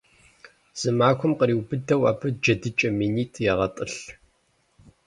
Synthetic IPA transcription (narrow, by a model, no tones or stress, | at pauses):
z̥ɨmaːkʷʊmqəɾiːwbɨdɐwaːbɨd͡ʒɐdɨt͡ʃʼɐmiːniːtʰʼjɛʁɐtʼɨɬ